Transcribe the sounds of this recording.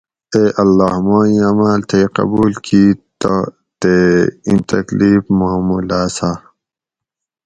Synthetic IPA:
eːʔɐlːaːhmaːĩaːmaːlt̪ʰeqɐ̰buːlkiːt̪o | t̪eĩnt̪ɐkliːfmaːmuːlaːsa

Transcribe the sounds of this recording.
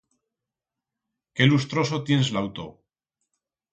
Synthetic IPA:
ke̞lust̪ɾo̞sot̪je̞nslawt̪o̰

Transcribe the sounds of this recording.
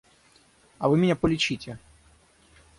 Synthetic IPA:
ɐvɨmʲɪnʲapɔlʲit͡ɕitʲɛ

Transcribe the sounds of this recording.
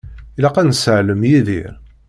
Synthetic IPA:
ilæqænsəʕləmjiðḭɾ

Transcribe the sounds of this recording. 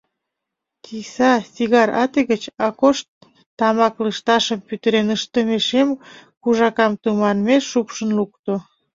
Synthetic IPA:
kisɑsiɣɑɾɑt̪eɣət͡ɕɑkoʃt̪ː | ɑmɑkləʃt̪ɑʃəmpyt̪əɾenəʃt̪əmeʃemkuʒɑkɑmt̪umɑnmeːupʃənlukt̪o

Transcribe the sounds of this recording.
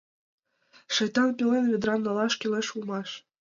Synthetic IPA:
ʂɤ̆jt̪ɑnpʲilʲenvʲed̪ɾɑnːɑlˠɑʃkʲilʲeʃulmɑʃ

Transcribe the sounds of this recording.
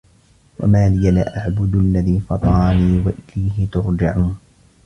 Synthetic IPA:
wa̰maːlɪjala̰ʔaʕbʊd̪alːaðiːfɑt̪ˤɑːniːwaʔɪlajɦɪt̪ʊɾd͡ʒaʕuːn

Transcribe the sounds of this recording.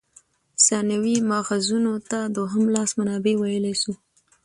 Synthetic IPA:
sɑnawimɑxazunot̪ad̪oɦəmlɑsmanɑbewajəlesu

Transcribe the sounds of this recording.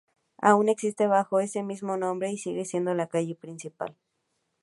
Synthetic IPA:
a̰uneksist̪eβaxoesemizmonõmbɾeisiɣesje̞nd̪olakaʝepɾinsipa̰l

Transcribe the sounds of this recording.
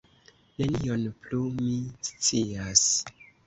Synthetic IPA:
ne̞nio̞nplumist͡sias

